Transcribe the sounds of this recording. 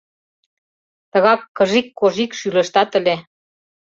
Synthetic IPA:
t̪ə̆ɣɑkːə̆ʒikːoʒikʃylə̆ʃt̪ɑt̪ə̆lʲe

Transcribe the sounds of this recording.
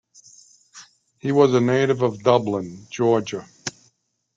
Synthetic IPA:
hiwʌzɨneɪɾɨvʌvdʌblə̃nd͡ʒɔɹd͡ʒə

